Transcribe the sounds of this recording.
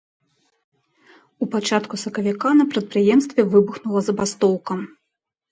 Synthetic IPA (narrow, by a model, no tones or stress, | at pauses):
upat͡ʂat̪kusɐkɐvʲikanɐpɾɐt̪̚pɾɨjɛmst̪vʲɛvɨbuxnulˠɐzɐbast̪ɔwkɐm